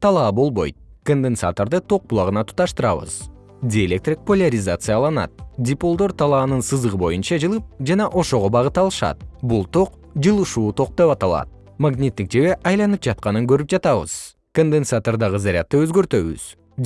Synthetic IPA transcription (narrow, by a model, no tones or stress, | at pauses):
t̪ʰɑlˠɑːbo̞lˠbo̞̰jt̪̚ | kond̪ensa̰t̪oɾd̪ɯt̪ʰo̞q̚bulˠɑʁɯnɑt̪ʰu̥t̪ɑʃt̪ɯɾɑβɯ̰z | dʲɪelʲe̞k̚t̪rʲik̚polʲaɾʲɪzat̪sɨjalˠɑnɑ̰t̪̚dʲɪpo̞lˠd̪oɾt̪ʰɑlˠɑːnɯnsɯzɯʁɯbo̞junt͡ʃɑd͡ʒɯlˠɯp̚d͡ʒɑnɑʔo̞ʃo̞ʁo̞bɑʁɯt̪ɑlˠɯʃɑ̰t̪̚bulˠt̪ʰo̞q | d͡ʒɯlˠɯʃuːt̪ʰo̞q̚d̪e̞pɑt̪ɑlˠɑ̰t̪̚ | maɡnʲit̪ːik̚d͡ʒe̞βe̞ʔɑjlˠɑnɯp̚d͡ʒɑt̪qɑnɯŋɡøɾyp̚d͡ʒɑt̪ɑβɯ̰z̥ | kond̪ensat̪oɾd̪ɑʁɯzaɾʲa̰t̪ːɯøzɡø̞ɾt̪ø̞βy̰z̥